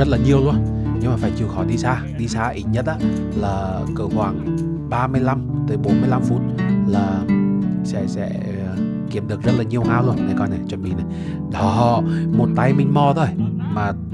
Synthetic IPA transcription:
ə˦˥t̚laː˨˩ɲi˨˩əwlu˧ənɲɨ˧ŋmaː˨˩faː˧˩jt͡ɕi˨˩əwxɔ˧˩jɗi˧saː˧ɗi˧saː˧ʔḭ˧˩t̚ɲə˦˥t̚ʔaː˧˦ | laː˨˩ | kɨ˧˩kwaː˧˩ŋ | ɓaː˧mɨ˧əjla˧mt̪ɨː˨˦jɓo˨˦nmɨ˧əjla˧mfṵ˦˥t̚laː˨˩ | sɛ̰˧˥sɛ̰˧˥˨ | ki˧˩əmɗɨ˨˩ək̚zə˦˥t̚laː˨˩ɲi˨˩əwɦaː˧wlu˧ənːa˨˩kɔ˧˩na˨˩jt͡ɕwə˧˩nmɓḭ˧˨na˨˩j | ɗɔ˨˦ɦɔ̰˧˨mo˨˩t̚t̪a˧jmï˧ŋ̟mɔ˧t̪ʰo˧˩j | maː˨˩

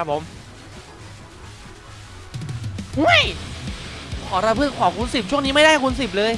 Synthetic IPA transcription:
a˦˥p̚ʰːo˩˦m | hu˦˥˩j | kʰɔː˩˦ɾa˧pʰɯ˥˩kʰaː˨˩˦kʰu˧nsi˨˩p̚t͡ɕʰu˥˩əŋniː˦˥ma˥˩da˥˩jkʰu˧nsi˨˩p̚lɤː˧j

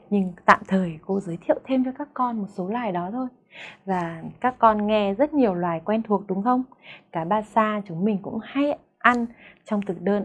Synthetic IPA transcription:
ɲɨ˧ŋt̪a̰ː˧˨mt̪ʰəː˨˩jko˧zəː˨˦jt̪ʰḭ˧˨ə˨wt̪ʰe˧mt͡ɕɔ˨˧˦jkaː˦˥kːɔ˧nmo˨˩t̚so˨˦lwaː˨˩jɗɔ˨˦t̪ʰo˧j | vaː˨˩kaː˦˥kːɔ˧nŋɛ˧zə˦˥t̚ɲi˨˩əwlwaː˨˩jkwɛ˧nt̪ʰu˨˩ək̚ɗʊ˨˦ŋ͡mxə˧wŋ͡mkaː˧˩ɓaː˧saː˧t͡ɕʊ˨˦ŋ͡mmï˨˩ŋ̟kʊ̰˧˥ŋ͡mha˧j | ʔa˧nt͡ɕɔ˧wŋ͡mt̪ɨ˨˩ɗəː˧n

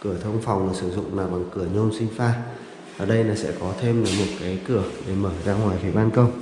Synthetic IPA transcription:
kɨ˧˩ət̪ʰə˧wŋ͡mfa˨˩wŋ͡mlaː˨˩sɨ˧˩zʊ̰˧˨ŋ͡mlaː˨˩ɓa˨˩ŋkɨ˧˩əɲo˧nsï˧ŋ̟faː˧ | vaː˨˩ɗə˧jlaː˨˩sɛ̰˧˥kɔ˨˦t̪ʰe˧mlaː˨˩mo˨˩t̚kaː˨˦jkɨ˧˩əɗe˧˩məː˧˩zaː˧ŋwaː˨˩jfi˨˦ɓaː˧nkə˧wŋ͡m

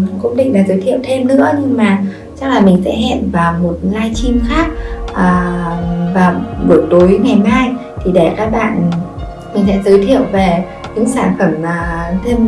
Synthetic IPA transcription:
kə̰˧wŋ͡mɗḭ̈˧˨ŋ̟ɗaː˨˩zəː˨˦jt̪ʰi˧˨əwt̪ʰe˧mnɨ̰˧˥əɲɨ˧ŋmaː˨˩ | t͡ɕa˦˥k̚laː˨˩mï˨˩ŋ̟sɛ̰˧˥ɦɛ̰˧˨nvaː˨˩wmo˨˩t̚laː˧jt͡ɕi˧mxaː˦˥k̚ʔəː˨˩ | vaː˨˩wɓə˨˩t̪o˨˦jŋa˨˩jmaː˧j | t̪ʰi˨˩ɗe˧˩kaː˦˥k̚ɓa̰ː˧˨n˩ | mï˨˩ŋ̟sɛ̰˧˥zəː˨˦jt̪ʰi˧˨əwve˨˩ | ɲɨ̰˧˥ŋsaː˧˩nfə˧˩mː˨˩t̪ʰe˧m

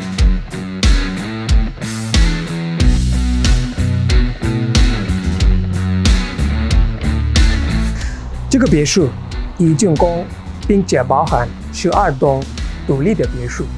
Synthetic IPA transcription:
ʈ͡ʂɤ˥˩ɡə˩pjɛ˧˥ʂɻ̩˥˩ | i˧˥t͡ɕy˥˩nkʊ˥ŋ | pi˥ŋt͡ɕjɛ˨˩pɑ˧˥ʊxa˧˥n | ʂɻ̩˥˧˥ʔa˥˩t̪ʊ˥ŋt̪u˨˩li˥˩d̪ə˩pjɛ˧˥ʂu˥˩

